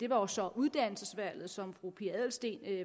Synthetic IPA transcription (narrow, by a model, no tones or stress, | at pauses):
d̥e̝ʋɑ̈josɒ̽ʔuðˠd̥æn̰l̩səsʋæl̰ð̞̩ˠsɒ̽mfʁupʰiæð̰ˠl̩sd̥e̝̰ːn